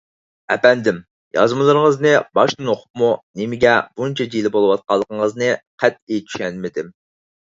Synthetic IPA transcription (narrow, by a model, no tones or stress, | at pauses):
ɛpɛnd̪ɪm | jɑ̰zmɨlˠɨɾəŋəznɨbɑʃnɨnoqʰʊ̥p̚munɪmɪɡʲɛbunt͡ʃʰɛd͡ʒilˠɪbolˠɨwɑt̪̚qɑlˠːəqəŋəznɨqʰæt̪ejt͡ʃ̪ʰy̥ʃɛnmɪd̪ɪm